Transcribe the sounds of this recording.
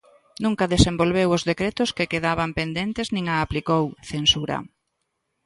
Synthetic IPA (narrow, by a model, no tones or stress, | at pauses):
nũŋkaðesembolβewʊzðekɾet̪ʊskekeðaβampend̪ent̪eznĩŋaːplikowθensuɾɐ̰